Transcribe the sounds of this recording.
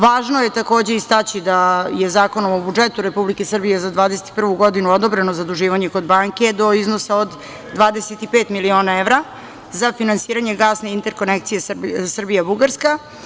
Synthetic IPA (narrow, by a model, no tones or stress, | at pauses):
ʋaːʒnoje̞t̪ako̞ːd͡ʑe̞ist̪at͡ɕid̪ajezaːko̞no̞mobud͡ʒet̪uɾe̞publikesr̩bijezad̪ʋaːd̪eset̪i̥pr̩ʋuɡo̞d̪inuod̪obɾenozad̪uʒiːʋaɲe̞ko̞d̪baŋke̞d̪o̞iznosaod̪ː | ʋaːd̪eset̪ipeːt̪milio̞ːnaeʋɾa | zafinansiːɾaɲeɡaːsne̞int̪eɾko̞nekt̪sije̞ssr̩bijabuɡaɾska